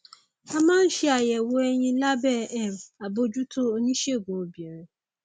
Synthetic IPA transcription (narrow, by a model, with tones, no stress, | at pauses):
a˦mã˦n̩˦ʃi˦a˨jɛ˨wo˦ɛ˦ɲĩ˦la˦bɛ˦ɛ˨m˨a˨bo˦d͡ʒu˦tʰo˦o˦ɲĩ˦ʃe˦˨ɡõ˨bi˨e˨ɾ̃